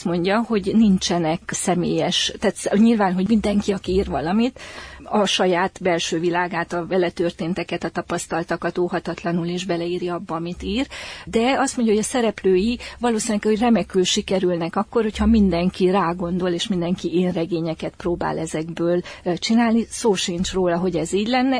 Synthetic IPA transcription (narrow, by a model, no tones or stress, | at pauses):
st̪mo̞ɲɟɒho̞ɟnint͡ʃɛnɛksɛmḛːjɛʃt̪aːt̪sɲilvaːnɦo̞ɟmind̪ɛŋkiɒkiiːrvɒlɒmit̪ɒʃɒjaːt̪bɛlʃøːvilaːɡaːt̪ɒvɛlɛt̪ørt̪eːnt̪ɛkɛt̪ɒt̪ɒpɒst̪ɒlt̪ɒkɒt̪oːhɒt̪ɒt̪lɒnuleːʒbɛlɛiːɾiɒbːɒːmit̪iːrd̪ɛɒst̪mo̞ɲɟɒɦoɟɒsɛɾɛpløːjivɒloːsinɛkhoɟrɛmɛkylʃikɛɾylnɛkɒkːo̞rho̞chɒmind̪ɛŋkiraːɡo̞nd̪o̞leːʃmind̪ɛŋkiʔeːnrɛɡeːɲɛkɛt̪proːba̰ːlɛzɛɡbøːlt͡ʃinaːlnisoːʃint͡ʃroːlɒɦo̞ɟɛziːɟlɛnːɛ